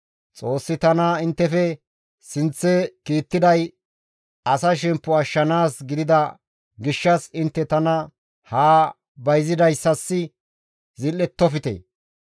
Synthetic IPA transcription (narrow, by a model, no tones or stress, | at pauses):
t͡sʼo̞ːsːɪt̪ɐnɐɪnt̪ːɛfɛ | sɪnt͡sːɛkiːt̪ːɪd̪ɐj | ɐsɐʃɛmpːʊɐʃːɐnaːsɡɪd̪ɪd̪ɐ | ɡɪʃːɐsɪnt̪ːɛt̪ɐnɐ | haː | bɐjzɪd̪ɐjsːɐsːɪ | zɪlːɛt̪ːɔfɪt̪ḛː